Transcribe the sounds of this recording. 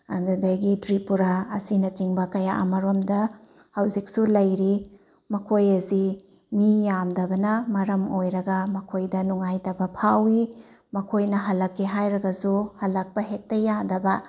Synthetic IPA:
ɐndudajɡidɾipuɾaːsinɐt͡ʃiŋbɐkɐjaʔɐmɐɾomdɐ | hɐwzik̚sulɐjɾi | mɐkʰojɐzi | mijamdɐbɐnɐmɐɾɐmojɾɐɡɐmɐkʰojdɐnuŋajtɐbɐpʰawi | mɐkʰojnɐɦɐlɐkːiɦajɾɐɡɐsuhɐlɐk̚pɐɦek̚tɐjadɐbɐ

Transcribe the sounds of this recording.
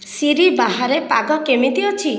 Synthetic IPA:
siɾibaɦaɾepaɡɔkemit̪iɔt͡ʃʰi

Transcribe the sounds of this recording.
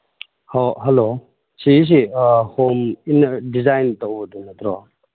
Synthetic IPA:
hoɦɐlo | sis̬ihominːdizajntowbədunɐt̪ɾɔ

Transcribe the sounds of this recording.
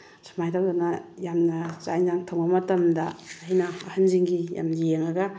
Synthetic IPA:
sʰḁmajɾawdanɐjamnɐt͡ʃajnzaŋtʰoŋamɐtɐmdɐːajnɐ̰ːhanziŋɡija̰mnjeŋaɡɐ

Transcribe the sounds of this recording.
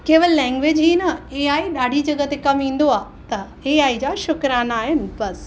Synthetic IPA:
keːʋəllɛ̃ːŋɡʋeːd͡ʑɦiːnɐeːaːiɗaːɖʱid͡ʑɐɡət̪ekɐmĩːn̆d̪oaː | t̪ɐ | eːaːid͡ʑaːʃʊkɾaːnaːɦɪnɪ̆bɐs

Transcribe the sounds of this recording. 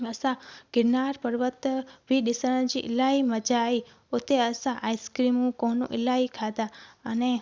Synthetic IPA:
əsaɡ̥ɪɾnaɾpəɾʋət̪biɗisəñd͡ʒiʔɪlaiməd͡ʒai | ot̪eəsaʔaiskɾimũkonṵ̃ʔɪlaikʰad̪aəne

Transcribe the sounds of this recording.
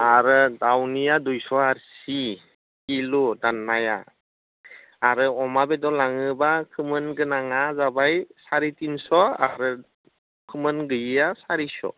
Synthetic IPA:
aɾɯdawnijadujsɔaɾsi | kiludanːaja̰ | ɾɯɔmabedɔlaŋɯbakʰɯmɯnɡɯnaŋazabajsaɾitinsɔa̰ɾɯ | kʰɯmɯnɡɯjɯjasaɾisɔ̰

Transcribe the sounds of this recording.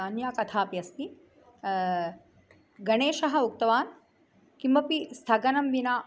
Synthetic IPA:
aːnjaːkɐt̪ʰaːpjɐst̪i | ɡɐɳeːʃɐɦɐukt̪ɐʋaːn | kimbɐpist̪ʰɐɡɐnɐmʋinaː

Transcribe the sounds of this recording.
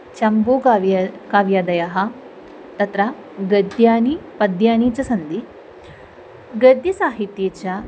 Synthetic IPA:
t͡ʃɐmbuːkaːʋjɐd̪ɐjɐɦɐ̆ | t̪ɐt̪ɾɐ | ɡɐd̪jaːnipɐd̪jaːniːt͡ʃɐsɐnd̪i | ɡɐd̪jisaːɦit̪jeːt͡ʃɐ

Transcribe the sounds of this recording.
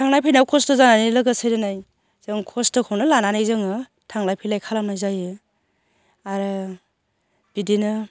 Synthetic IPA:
tʰaŋlajpʰajnawkʰɔstɯzananilɯɡɯsɯjdɯnaj | z̥ɯŋkʰɔstɯkʰownɯlananajzɯŋɯ | tʰaŋlajpʰijlajkʰalamnazajɯ | aɾɯ | b̥idinɯ

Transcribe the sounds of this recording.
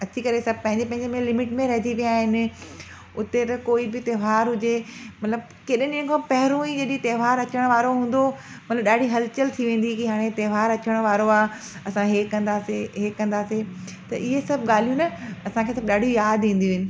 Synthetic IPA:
ɐt͡ɕikɐɾesɐb̚ʱpɐ̃ɦɪ̃ɲd͡ʑepɐ̃ɦɪ̃ɲd͡ʑemẽlɪmɪʈmẽɾɐɦɪt̪iʋijaːɦɪnɪ̆ | ʊt̪et̪ɐkoːibɪt̪eːʋ̤aːɾɦʊd͡ʑemɐt̪ləb̚ | keːɗɪ̃nɪ̃ɦkʰãːpɐɦɪɾõid͡ʑɐɗt̪eːʋ̤aːɾɐt͡ɕəɽ̃ʋaːɾoɦũːn̆d̪o | mɐt̪ləbɗaːɖʱiɦɐlt͡ɕəlt̪ʰiʋẽːn̆d̪ikiɦaːɽ̃et̪eːʋ̤aːɾɐt͡ɕəɽ̃ʋaːɾoaː | ɐsãɦeːɐ̃nd̪aːseɦeːkːɐ̃nd̪aːset̪ɐʔɪɦesɐbʱɠaːl̤ijũnɐɐsãkʰeːsɐbɗaːɖ̤ʱijaːd̪ʋĩːn̆d̪ijuʋɪnɪ̆

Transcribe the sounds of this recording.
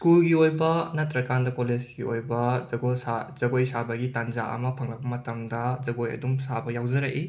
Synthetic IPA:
skulɡiojbɐnɐtɾɐkandɐkolezɡiojbɐɡoaz̥ɐɡojsabɐɡitand͡ʒaʔɐ̰mɐpʰɐŋlɐbɐmɐtɐmdɐzɐɡojɐ̰dumsabɐjawzɐɾɐʔi

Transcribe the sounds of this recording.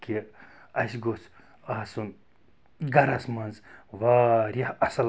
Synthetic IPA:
ke | ɐsʲɡos | aːsun | ɡɐɾɐsmɐnzʋaɾɐhɐsɐl

